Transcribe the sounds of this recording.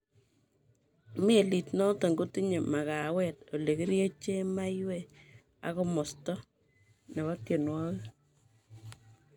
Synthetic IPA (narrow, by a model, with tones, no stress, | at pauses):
me˦˨li˨tnɔ˦ta˨ŋɡo˦ti˦ɲe˨ma˨ka˨wɛ˦˨to˨le˨ki˦ɾje˦t͡ʃe˦ma˦jwɛ˦ | a̰˦kɔ˦mɔ˨stɔ˦ | nɛ˨wa˦ke˨nwɔ˦kɪ˦